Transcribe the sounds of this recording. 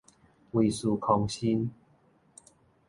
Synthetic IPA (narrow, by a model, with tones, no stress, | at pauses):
wi˨˩su˨˧˩kʰɔ˧ŋɕi˦n